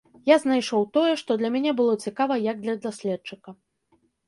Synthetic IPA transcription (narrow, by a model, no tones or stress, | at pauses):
jaznajʂɔwt̪ɔjɛʂt̪ɔd̪lʲɐmʲanʲɛbɨlˠɔt͡sʲikavɐjɐɡ̚d̪lʲɐd̪asʲlʲɛt̪̚t͡ʂɨkɐ